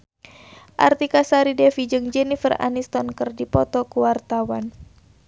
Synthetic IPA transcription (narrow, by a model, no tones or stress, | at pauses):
ʔa̰rt̪ikasaɾidɛfid͡ʒɨŋd͡ʒɛnifəra̰nist̪ɔnkərdipɔt̪ɔkuwart̪awan